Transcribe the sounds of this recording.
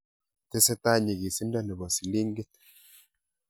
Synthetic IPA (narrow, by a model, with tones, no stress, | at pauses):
te˦sɛ˦ta˦ɲi˨ɡi˨si˦nda˦nɛ˨bɔ˨si˨li˦ŋɡe˦t̚